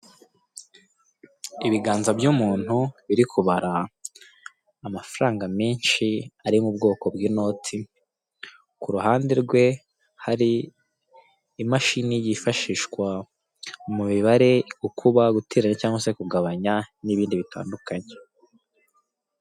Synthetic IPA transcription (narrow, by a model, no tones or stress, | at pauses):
iβiɡaːnzabjumuːn̥huβiɾikʰuβaɾa | mafɾaːŋɡamiːnʃiaɾimubɡo̞ːko̞bɡiːno̞ːtʰi | kuɾuɦaːnde̞ɾɡwe̞ | haɾi | maʃinijifaʃiːʃkwa | muβiβaɾe̞ɡukʰuβaɡutʰe̞ːɾaɲacaːŋɡwasekuɡaβaɲaniβiːndiβita̰ːndukaɲe